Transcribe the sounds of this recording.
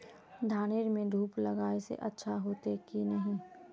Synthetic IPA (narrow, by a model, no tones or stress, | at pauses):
d̪ʱaːnɪɾmẽd̪ʱuːplɐɡaːesḛʔɐtːʃʰaɦoːt̪ekinɐɦĩː